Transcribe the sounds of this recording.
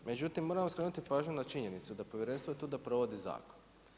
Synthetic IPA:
me̞d͡ʑut̪imːo̞ɾamoskɾe̞ːnut̪ipaːʒɲunat͡ʃiɲe̞nit̪sud̪apo̞ʋjeɾe̞nst̪ʋoet̪uːd̪apɾo̞ʋo̞d̪iza̰ːkon

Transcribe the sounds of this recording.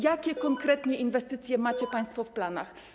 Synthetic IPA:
jakʲɛkɔŋkɾɛt̪ɲɛʔinvɛst̪ɘt̪sʲjɛmat͡ɕɛpaj̃st̪fɔfplana̰x

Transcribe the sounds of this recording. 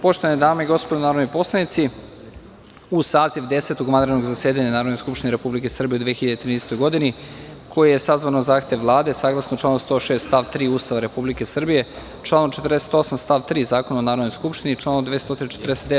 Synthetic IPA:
po̞ʃt̪o̞ʋanid̪aːmeiɡospod̪onaːɾo̞d̪nijpo̞slˠanit̪si | usaːziʋd̪e̞set̪oɡmand̪ɾed̪noɡzaseːd̪aɲanaːɾod̪noskupʃt̪ineɾe̞publikesər̩bijeud̪ʋeːxçiʎad̪et̪ɾiːnd̪est̪ojɡo̞d̪inikʰo̞jijesazʋanozaːxt̪e̞ʋʋlˠaːd̪e̞saːɡlˠasnot͡ʃlaːnost̪o̞ːʃeːst̪t̪aʋt̪ɾiːuːst̪aʋaɾe̞publike̞sr̩bije̞ | t͡ʃlˠaːnomt͡ʃet̪ərd̪e̞se̥t̪o̞samst̪aːʋt̪ɾiːzaːko̞naonaːɾod̪nojskupʃt̪init͡ʃlˠaːnod̪est̪o̞t̪inet͡ʃet̪rd̪eset̪d̪e

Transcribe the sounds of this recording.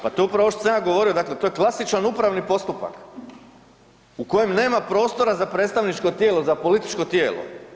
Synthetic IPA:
pat̪oːupɾaʋot̪osajaɡo̞ʋo̞ɾiod̪aklet̪o̞jeklˠasit͡ʃanupɾaʋnipo̞st̪upa̰k | uko̞je̞mne̞ːmapɾo̞ːst̪o̞ɾazapɾet̪st̪aʋnit͡ʃko̞t̪je̞ːlo̞zapo̞lit̪i̥t͡ʃko̞t̪je̞ːlˠo̰

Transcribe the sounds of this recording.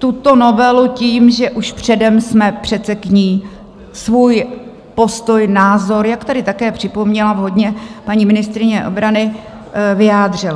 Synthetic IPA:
t̪ut̪o̞no̞vɛluciːmʒɛʔuʃpr̥ɛdɛmsmɛpr̥ɛt̪sɛkɲiː | svuːj | po̞st̪o̞jnaːzo̞ɾjakt̪aɾɪt̪akɛːpr̝̥ɪpo̞mɲɛlavɦo̞dɲɛpaɲiːmɪnɪst̪ɾɪɲɛʔo̞̰bɾanɪ | vɪjaːd̪r̝ɪla

